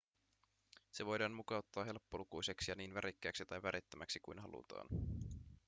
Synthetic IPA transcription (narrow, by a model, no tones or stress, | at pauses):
se̞ʋo̞jdɑːnmukɑut̪ːɑːɦe̞lpːolukujse̞ksijɑniːnʋæɾikːæːksit̪ɑjʋæɾʔit̪ːæmæksikujnɦɑ̰lṵt̪ɑ̰ːn